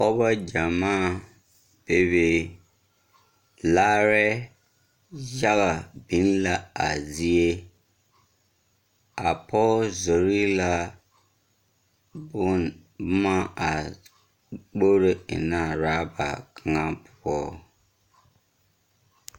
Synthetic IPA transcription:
ɔ˦ba˦d͡ʒa˨maː˦˨ | b̥e˦βeː˨ | laː˦ɾɛ˦ | ja˦ɣa˨bi˨˦n˦la˦a̰˨zi˦e˦ | a˨pʰɔ˦zo˨ɾi˦la˦ | bʊ˦bʊ˦ma˦a˨ | k͡po˦ɾe˦ɪ̰˨na˦˨ɾaː˦ba̰˨kʰa˨ŋa˦pʊ˨bɔː˦

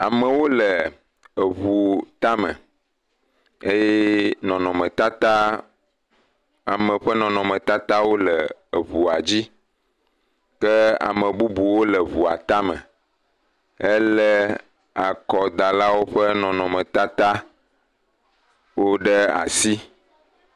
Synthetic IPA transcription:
a˨mə˨wo˦lə˨ | βu˨t̪a˦mə̰̃˨ | e˦jɛ˦nɔ̃˨nɔ̃˨mə̃˨t̪a˦t̪a˦ | a˨mə̃˨ɸɛ˦nɔ̃˨nɔ̃˨mə̃˨t̪a˦t̪a˦wo˦lə˨βu˨a˨d͡ʑi˦ | kɛ˦a̰˨mə̃˨bu˦bu˨wo˦lə˨βu˨a̰˨t̪a˦mə̰̃˨ | e˦lə˦ | a˨kɔ˨d̪a˨la˦wo˦ɸɛ˦nɔ̃˨nɔ̃˨mɛ̃˨t̪a˦t̪a˦ | wo˦ɖɛ˦a̰˨si˦

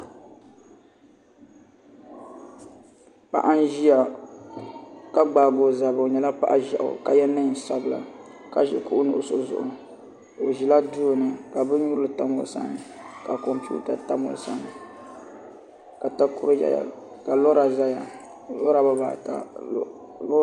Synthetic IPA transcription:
pa̰˨ʔa˦n˦ʒi˦a˨ | ka˦ɡ͡baː˨ɡo˨za˨bo˨ɲɛ˨la˦pa̰˦ʔa˦ʒa˨ʔʊ̰˨ka˨jɛ˦nɨ˦ɲ˨sa˦bɨ˨la̰˨ka˦ʒɛ̰˨ku˦ʔʊ˦nʊ˦ʔʊ˦so˦zʊ̰˨ʔʊ˨ | o˨ʒi˨la˦du˦˨nɨ˨ka˨bɨ˦ɲu˦ɾɨ˦lɨ˨ta˦mʊ˨sa̰˦ŋ˨ka˨kɔ˨mpṵ˦ta˨ta˦mʊ̰˨sa˦ŋ˨ | ka˨ta˦ku˦ɾa̰˦˨ | ka˨lɔ˦ɾa˨za˦ja̰˨ | lɔ˦ɾa˨ba˦ba̰˨ta̰˦

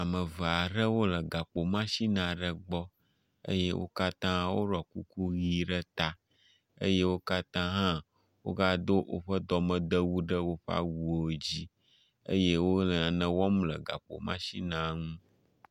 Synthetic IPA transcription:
a˨mə̃˨və˨a˨ɖə˦wo˦lə˨ɡa˨k͡po˨mã˦ʃi˦nã˨ɖə˦ɡ͡bɔ˦ | ə̰˦je˦wʔo̰˦ka˦t̪ã˦wo˦ɖɔ˨ku˦ku˦ɣi˦ɖə˦t̪a˦ | ə̰˦je˦wo˦ka˦t̪ã˦ɦã˦ | wo̰˦ɡa˦d̪o˦ʔo̰˦ɸə˦d̪ɔ˨mə̃˨d̪ə˦wu˦ɖə˦wo˦ɸa̰˦wu˨o˨d͡ʑi˦ | ə̰˦je˦wo˦lə˨ã˨nə̃˨wɔ˦mlə̰˨ɡa̰˨k͡po̰˨mã̰˦ʃi˦nã˨ŋũ˦

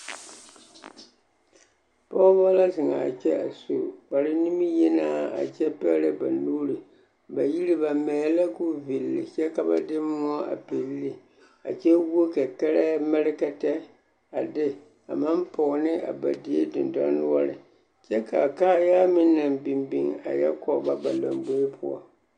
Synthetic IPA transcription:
pɔ˦ba˦la˦zɪ˨ŋa̰˨t͡ʃɛ˦a̰˨su˨ba˨ɾɪ˦ni˦mi˦jɛ˦naː˦a̰˨t͡ʃɛ˦pɛ˦lɛ˦ba̰˨nuː˦ɾi˨ | ba˨ji˦li˦ba˨mɛː˨la˦kʊ˦vi˨lːɪ̰˨t͡ʃɛ˦ka˨ba̰˦dɪ˦m˦ɔ˦a̰˨pe˨lːi˦ | a̰˨t͡ʃɛ˦wo˦ka˨kɛ˦ɾɛ˦mɛ˦ɾɪ˦ka˦tɛ˦ | a˨dɪ˦ | a̰˨ma˦mpɔ˨ɣnɪ˦ʔa̰˨ba̰˨di˨˦e˦dɪ˨ndɔ̰˦nʊ˦ɔ˦ɾɪ̰˨ | t͡ʃɛ˦ka˨kaː˦jaː˦mɪ˦na˨mbi˨mbi˨ŋa̰˨jɛ̰˦kɔ˦˨˦ba˦ba˨la˨mbo˦e˦pʰʊ˦ɔ̰˦˨

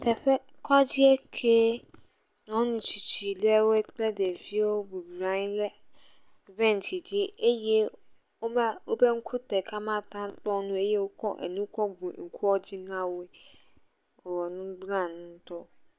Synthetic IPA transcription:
tʰɛ˨ɸɛ˦ | kʰa˦d͡ʑɪ˦ɛ˦kʰeː˦ | nɔ̃˨˦nɪ̃˨t͡ɕʰi˨t͡ɕʰi˨lɛ˦we˦k͡pɛ˦de˨fi˦o˦bu˨bɾã˨˦n˦lɛ˦˨ | vɛ̃˦˨n˨tʰi˨d͡ʑɪ˦e˦jɛ˦ | o˦ma˦o˦bɛ˦ŋ̩˦kʰʊ˦tʰɛ˨kʰa˦mã˦tʰã˦tɔ̃˦nʊ̃˦e˦jɛ˦wo˦kʰɔ̰̃˦ʔɛ̰˨nũ˦kʰɔ̃˦ɡũ˨ŋ̩˨kʰu˦ɔ˦d͡ʑɪ˦nã˦we˦ | ɔ˨wɔ˨nʊ̃˦ɡ͡bɾã˦˨nʊ̃˦n̩˦tɔ˦

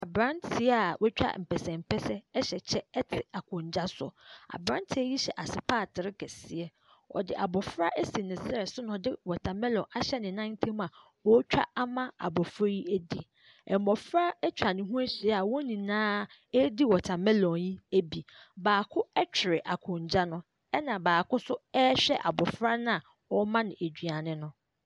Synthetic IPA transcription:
a˨bɾã˦ntʰɪ˨˦a˨wʔɛ˦t͡ɕᶣa̰˦m̩˨pʰɛ˨sɛ̃˨m̩˨pʰɛ˦sɛ˦ɛ˦ɕɛ˨t͡ɕʰɛ˦ɛ˦tʰɪ˨a˨kʰʊ̃˨ɲ˨d͡ʑa˦sɔ̰˨a̰˨bɾã˦ntʰɪ˦ɛ˦ji˦ɕɛ˨ʔa˨sɪ˨pʰaː˦˨tʰɪ˨ɾɪ˦kʰɛ˨sɪ˨ɛ˦ | ɔ̰˨dɪ˨ʔa˨bɔ˨fɾa˦ʔe˦si˨nɪ̃˨sɛ˨sʊ˦nʊ̃˨dɪ˦wɔ˨tʰã˨mɛ̃˦lɔ̃˨ʔa˨ɕɛ˦nɪ̃˨nã˦n˦tʰĩ˦m˦ã˨ | wɔ˦t͡ɕᶣa̰˦a˦mã˦a̰˨bɔ˨fɾɔ˦ji˦æ˦di˦ | ɛ˨m˦mɔ˨fɾa˦ɛ˦t͡ɕᶣa˨nɪ̃˨ɦũ˦æ˦ɕi˨ɛ˦a˨wɔ˦nĩ˨nãː˦ | ɛ˦di˦wɔ˨tʰa˨mɛ̃˦lɔ̃˨ji˦æ˦bi˨baː˨kʰʊ˦ɛ˦t͡ɕʰᶣɪ˨ɾɪ˨ʔa˨kʰʊ̃˨ɲ˨d͡ʑa˦nʊ̃˦ | ɛ˦nã˨baː˨kʊ˦sʊ˦ɛ˦ɕᶣɛ̰˦ʔa˨bɔ˨fɾa˦nã˦a˨ | wɔ˦mã˦nɪ̃˨e˨d͡ʑᶣɥa˨nɪ̃˦nʊ̃˦

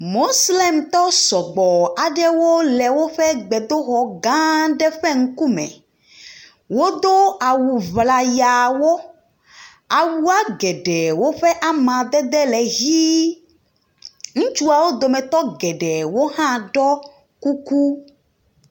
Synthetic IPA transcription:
mo˦sle˦mt̪ɔ˦sɔ˨ɡ͡bɔ˨a˨ɖɛ˦wo˦lɛ˨wo˦ɸɛ˦ɡ͡bɛ˨d̪o˦ɣɔ˨ɡã˦ɖɛ˦ɸɛ˦ŋ̩˦ku˦mɛ̰̃˨ | wo˦d̪o˦a˨wu˨vla˨ja˨wo˦ | a˨wu˦a˦ɡɛ˨ɖɛ˨wo˦ɸɛ˦ʔa˦mã˨d̪ɛ˦d̪ɛ˦lɛ˨ɣi˦ | ŋũ˦t͡ʃu˦a˨wo˦d̪o˨mɛ̃˨t̪ɔ˦ɡɛ˨ɖɛ˨wo˦hã˦ɖɔ˦ | ku˦ku˦

